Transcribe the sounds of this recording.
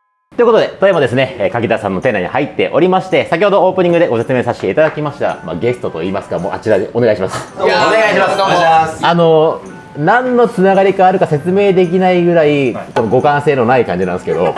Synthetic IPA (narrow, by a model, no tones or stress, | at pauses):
t̪ojɯ̟kood̪e̞t̪o̞emod̪e̞sɨne̞kakʲid̪asã̰nːoẽ̞nːaɲ̟ihait̪ːe̞ʔo̞ɾʲimaɕi̥t̪e̞sakʲiho̞d̪o̞oːpɯ̟ɲ̟ĩŋɡɯ̟d̪e̞ɡose̞t͡sɨmeːsaɕi̥t̪e̞it̪ad̪akʲimaɕi̥t̪a̰ma̰ɡe̞sɨ̥t̪o̞t̪o̞̰iːmasɨ̥kamoːʔa̰t͡ɕiɾaeoneɡaiɕimasɨ̥aaskasano̞ | nãnːo̞t͡sɨnaɡaɾʲikaːɾɯ̟kase̞t͡sɨme̞ːd̪e̞k̬ʲinaiɡɯ̟ɾaikono̞ɡo̞kãɰ̃se̞ːno̞naikãɲ̟d͡ʑinãnd̪sɨ̥ked̪o̞̰